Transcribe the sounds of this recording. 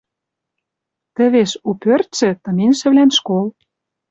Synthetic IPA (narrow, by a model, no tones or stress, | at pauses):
t̪ə̆βeʃupørt̪sɘ̆t̪ɤ̆minʃɘ̆βlænʃkol